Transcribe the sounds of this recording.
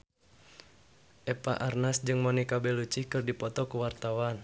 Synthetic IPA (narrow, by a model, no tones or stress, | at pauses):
ʔɛpa̰ʔarnasd͡ʒɨŋmɔnikabɛlut͡ʃihkɨrdipɔt̪ɔkuwart̪awan